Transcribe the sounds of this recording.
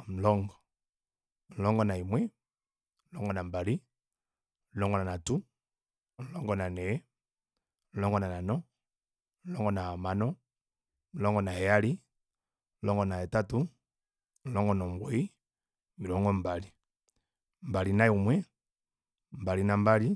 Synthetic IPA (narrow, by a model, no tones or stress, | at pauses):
m̩lɔŋɡɔ | m̩lɔŋɡɔnaimwɛ | m̩lɔŋɡɔnambali | milɔŋɡɔnanatu | n̩lɔŋɡɔnanɛ | nlɔŋɡɔnananɔ | m̩lɔŋɡɔnaamanɔ | nlɔŋɡɔnahɛjali | nlɔŋɡɔnaɛtatu | n̩lɔŋɡɔnɔmbɔi | milɔŋɡɔmbali | mbalinaumwɛ | mbalinambali